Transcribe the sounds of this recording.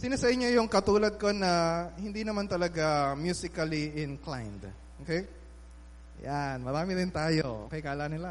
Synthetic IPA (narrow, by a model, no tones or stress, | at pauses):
sɪnɐsɐɪɲːo̞jʊŋkɐt̪uːlɐd̪̚ko̞nɐhɪnd̪inɐmant̪ɐlɐɡamjuːsɪkɐliʔɪnkla̰jnd̪ | ʔʔoːkej | janmɐɾaːmɪɾɪnt̪aːjoʔo̰kɛjkaːlanɪla